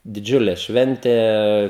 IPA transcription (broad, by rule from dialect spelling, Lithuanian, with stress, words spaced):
dʲɪˈd͡ʒʲʊlʲɛ ˈʃʲʋʲɛnʲtʲeː